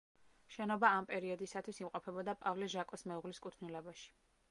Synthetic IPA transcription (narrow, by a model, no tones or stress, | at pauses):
ʃɛnɔbaːmpʼɛɾiɔd̪isat̪ʰwisimqʼɔpʰɛbɔd̪apʼavlɛʒakʼɔsmɛuʁliskʼut̪ʰnilɛbaʃi̥